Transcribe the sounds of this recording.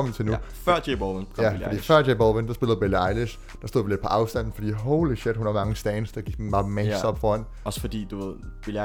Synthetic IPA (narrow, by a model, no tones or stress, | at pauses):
ɒ̽mət͡sʰenufɶɐ̰d̥eboʋənkʰɒæfd̥ḭːfɶɐ̰d̥ebɒːlˠʋənd̥ɑ̈sbe̝ləð̩ˠbeliɑ̈ɪliɕ | d̥ɑ̈so̝ðˠʋiled̥̚pʰɒ̽ʔɑ̈ʊsd̥æn̰n̩fɒ̽d̥ḭːɦoʊliɕed̥hunhæmɑ̈ŋəsd̥ɛːnsd̥ɑɡ̥iɡ̥̚hnmɑ̈ːmɛsɒb̥fɒːæn | ɒsəfɒd̥ḭːd̥uʋe̝ð̰ˠb̥el